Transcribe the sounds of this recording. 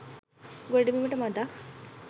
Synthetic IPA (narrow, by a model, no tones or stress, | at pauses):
ɡoɖimimiʈɐmɐd̪ak